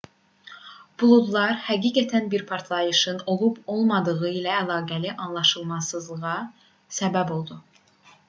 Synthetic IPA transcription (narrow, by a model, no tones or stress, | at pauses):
b̥ulˠud̪lˠɑɾhæɡiːɡæt̪ʰænbiɾpʰɑɾt̪ʰlˠɑjɯʃɯno̞lˠubo̞lˠmɑd̪ɯɣɯilæːlˠɑːɡæliʔɑnlˠɑʃɯlˠmɑsɯzlˠɯʁɑ | sæbæbo̞lˠd̪u